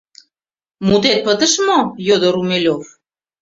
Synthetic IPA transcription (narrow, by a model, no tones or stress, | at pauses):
mud̪et̪̚pə̆d̪əʃmojod̪oɾumelʲof